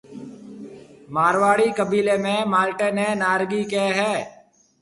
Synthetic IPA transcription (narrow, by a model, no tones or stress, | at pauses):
maːɾʋaːɽiːkəbiːleːmẽːmaːlʈẽːneːnaːɾɡiːkeːɦɛː